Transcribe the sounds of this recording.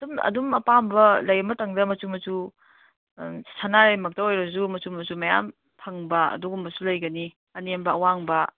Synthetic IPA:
dumɐ̰dumɐ̰pambɐlɐjɐmɐtɐŋdɐmɐt͡ʃumɐzu | sanaɾɐjmɐk̚tɐojɾɐzumɐt͡ʃumɐzumɐja̰m | pʰɐŋbɐɐ̰duɡumbɐsulɐjɡɐni | ɐnembɐɐwaŋbɐ

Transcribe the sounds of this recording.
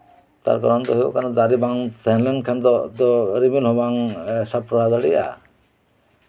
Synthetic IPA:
t̪a̰ɾkɔɾɔnt̪ɔɦeɔ̰kanɔd̪aɾibaŋt̪enlenkʰand̪ɔd̪ɔɾiminɦobaŋsapɾad̪aɽija̰

